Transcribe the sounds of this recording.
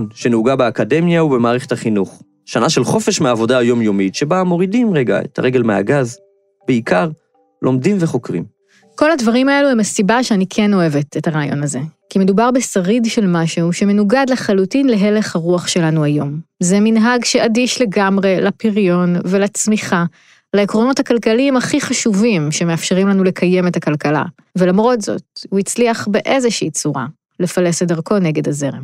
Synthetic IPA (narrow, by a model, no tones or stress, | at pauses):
nʃenuɡabeakade̞mjaubemaːʁeχe̞thaχinuχ | ʃanaʃelχo̞feʃmeaːvo̞daajo̞mjo̞mitʃe̞bamo̞ʁidimʁeɡa̰ḛtʰa̰ʁeɡe̞lmeha̰ɡaz | b̥eikʰaʁ | lʔo̞mdimve̞χo̞kʁḭm | ko̞ladvaʁimae̞luemasibaʃeanikʰeno̞e̞ve̞tethaʁaːjo̞̰naze̞kime̞dubaʁbesaʁidʃe̞lmaʃeuʃe̞me̞nuɡadleχalutinle̞ɦe̞le̞χhaʁuaχʃe̞lanuajo̞mzeminɦaɡʃeadiʃle̞ɡamʁe̞lapiʁjo̞nvelat͡smiχa | laekʁo̞no̞thakalkaliimaχiχaʃuvimʃeme̞afʃe̞ʁimlanule̞kʰaje̞me̞takalkala̰ | ve̞lamʁo̞tz̥o̞̰t̚huit͡sliaχbe̞ʔezeʃiːt͡suʁa̰ | le̞fale̞sedaʁko̞ne̞ɡe̞daze̞ʁem